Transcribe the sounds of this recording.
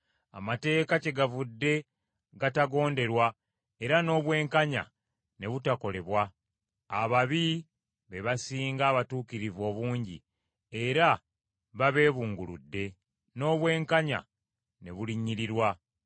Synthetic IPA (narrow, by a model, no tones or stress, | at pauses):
a̰mate̞ːkace̞ɡavudːe̞ | ɡataɡo̞ːnde̞ɾwa | e̞ɾano̞ːβwe̞ːŋkaɲa̰ | ne̞βutako̞le̞βwaː | βaβi | βe̞βasiːŋɡaːβatuːkiɾivo̞ːβuːɲɟḭ | e̞ɾa | βaβe̞ːβuːŋɡulṵdːe̞ | no̞ːβwe̞ːŋkaɲa̰ | ne̞̰βuliɲːiɾiɾwa